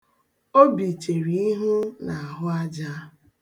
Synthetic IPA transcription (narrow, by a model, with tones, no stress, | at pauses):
o˦bi˨t͡ʃe˨ɾi˨˦i˦ɦu˦na˨a˨ɦʊ˦a˦d͡ʒa˦